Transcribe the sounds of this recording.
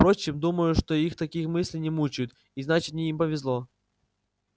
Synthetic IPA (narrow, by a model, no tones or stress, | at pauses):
pɾo̞t͡ɕːɪmd̪uməjʊʂt̪oixt̪ɐkʲixmɨsʲlʲɪjnʲɪmut͡ɕɪjʊt̪ | iznat͡ɕɪ̥t̪nʲɪimpəvʲɪzlˠo